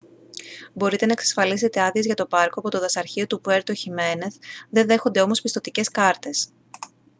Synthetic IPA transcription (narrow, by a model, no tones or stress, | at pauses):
bo̞ɾit̪e̞nɐeksɐ̥sfɐlise̞t̪e̞ɐðiezʝɐt̪o̞pɐɾko̞ɐpo̞t̪o̞ðɐsɐɾçio̞t̪upue̞ɾt̪oçime̞ne̞θðe̞nðe̞xo̞nd̪e̞o̞mo̞spist̪ot̪ice̞skɐɾt̪e̞s